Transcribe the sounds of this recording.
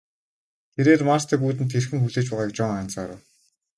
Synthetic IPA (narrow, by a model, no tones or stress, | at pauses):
t̪ʰeɾeːrmarst̪ʰeːpuːt̪̬ɘ̆nt̪ʰːerxɘ̆ŋxuɮeːt͡ɕpæːʁaːkt͡ɕɔŋan̥t͡saːɾə̰̆w